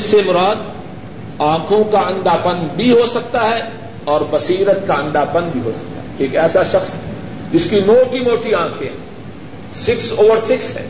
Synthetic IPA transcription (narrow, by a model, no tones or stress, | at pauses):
ɪsːemʊɾaːd̪ | ãːkʰõkaɐ̃ɳɖ̪aːpənbʱiɦosɐk̚t̪aɦɛ | ɔːɾbɐsiːɾət̪̚kaɐ̃nɖ̪aːpɐnbʱiɦosɐ̥k̚t̪a̰ɦɛeːkɛːsaʃɐxsɦɛ | d͡ʒɪskimoːʈimoːʈiãːkʰẽɦɛ̰̃ | sɪksoːʋəɾsɪksɦɛ̰ː